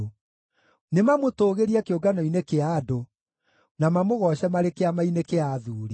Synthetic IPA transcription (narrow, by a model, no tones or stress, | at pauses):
nemamotoːɣeɾiɛkeoɡanɔinekeado | namamoɣɔɕɛmaɾekeamainekeaðuːɾi